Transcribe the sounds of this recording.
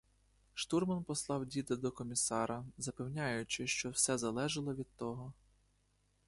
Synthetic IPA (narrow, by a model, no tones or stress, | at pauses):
ʃt̪urmɐnpɔslˠɑwdʲit̪ɪd̪ɔkɔmʲisɑɾɐzɐpewnʲajʊt͡ʃɪʃt͡ʃɔwsɛzɐlˠɛʒɐlˠɔʋʲid̪̚t̪ɔɦɔ